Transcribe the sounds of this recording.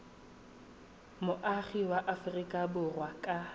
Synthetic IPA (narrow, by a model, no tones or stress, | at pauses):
mʊʔaχiwaʔafʊrikʼabʊrwakʼa